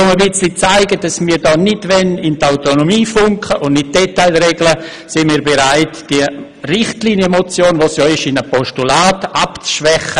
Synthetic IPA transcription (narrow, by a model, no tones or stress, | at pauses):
ʊməbɪt͡slit͡saɪɡədasmiːɾdɔːnɪtvɛnɪntaʊtonomiːfʊŋkχəʔʊnɪt̚d̥ɛtaɪlɾeɡlə | sɪnmiːɾbeɾaɪtd̥iə | rɪχtliːnjəmot͡sjoːnvoːsjɔːɪʃɪnəpɔʃtulaːtapt͡sʃvɛχə